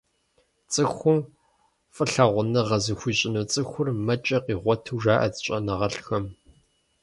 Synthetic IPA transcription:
t͡sʼɨxʷʊm | fʼɨɬɐʁʷʊnɐʁɐzɨxʷiːɕʼɪnuːt͡sʼɨxʷʊrmɐt͡ʃʼɐqiːʁʷɔtʰuːʒaːʔɐ̰d͡zɕʼɐnɐʁɐɬxɐm

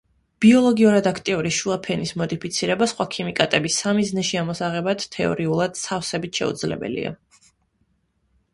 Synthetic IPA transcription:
b̥iɔlˠɔɡiuɾad̪akʰt̪ʼiuɾiʃuapʰɛnismɔd̪ipʰit̪sʰiɾɛbasχwakʰimikʼat̪ʼɛbisːamiznɛʃiamɔsaʁɛbad̪t̪ʰɛɔ̰ɾiulˠad̪̥sʰafsɛbit̪ʰʃɛ̰ṵd̪zlɛ̰bɛ̰lḭa̰

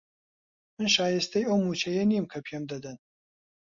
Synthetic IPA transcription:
mɨnʃaːjest̪ɐjɐwmut͡ʃʰɐjɐnimkʰɐpʰemd̪ɐd̪ɐn

